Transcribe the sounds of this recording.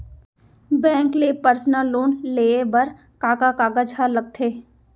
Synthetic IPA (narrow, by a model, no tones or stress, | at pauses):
bɛ̃ːŋklepəɾsnəlːoːnleːebəɾ | kaːkakaːɡad͡ʒɦaləb̚t̪ʰeː